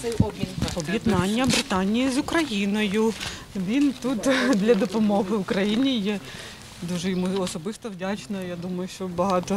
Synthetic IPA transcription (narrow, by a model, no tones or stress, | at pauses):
ɛbɔbjɛd̪nɑnʲːɐbɾɪt̪ɑnʲijizʊkɾɐjinɔjʊ | ʋʲint̪ut̪d̪lʲɐd̪ɔpɔmɔɦɪʊkɾɐjinʲijɛ | d̪uʒɛjɔmuɔsɔbɪst̪ɔwdʲat͡ʃnɐjad̪umɐjʊʃt͡ʃɔbɐɦɑt̪ɔ